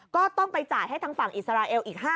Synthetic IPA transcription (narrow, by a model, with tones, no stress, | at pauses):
kɔː˥˩t̪ɔ˥˩ŋpa˧jt͡ɕaː˨˩jɦa˥˩jt̪ʰa˦˥ŋfa˨˩ŋʔi˨˩sa˧ɾaː˧ʔeː˧wʔiː˨˩k̚haː˥˩